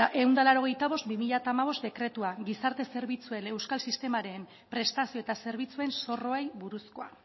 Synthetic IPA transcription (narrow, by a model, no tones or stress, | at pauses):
aʔe̞wnd̪alaɾo̞ɣ̞e̞jt̪aβo̞st̪̚bimiʎat̪aːmaβ̞o̞st̪d̪e̞kɾe̞t̪uaɡisaɾt̪e̞se̞ɾβit͡sue̞ne̞wskalsist̪e̞maɾe̞m | pɾe̞st̪asio̞et̪ase̞ɾβit͡sue̞nso̞ro̞ajβuɾusko̞a̰